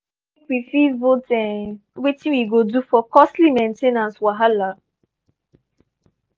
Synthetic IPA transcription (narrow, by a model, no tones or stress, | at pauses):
kwifivotɛnwetĩwiɡodufɔkɔstlimẽntenãnswaɦala